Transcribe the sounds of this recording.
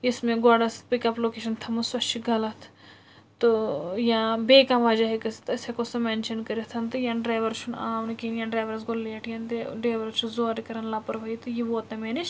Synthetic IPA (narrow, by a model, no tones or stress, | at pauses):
ismẽɡɔːɖɐspikɐploːkeːʃɐnt̪ʰɐmɐsɐt͡ʃiɡɐlɐt̪ʰ | t̪ojãːbeːkãʋaːd͡ʒaɦekɐst̪ɐsɐkosɐmeːnʃɐnkɐɾɐt̪ʰɐnt̪ɨjãːnɖɾaːjʋɐɾt͡ʃʰunaːʋnkinjãːɖɾaːjʋɐɾɐsɡolleːʈʰjãnt̪eɖɾaːʋɐɾt͡ʃʰuzoːɾkɐɾɐnlaːpɐɾʋɐit̪ɨjiʋoːt̪ɐmeːniʃ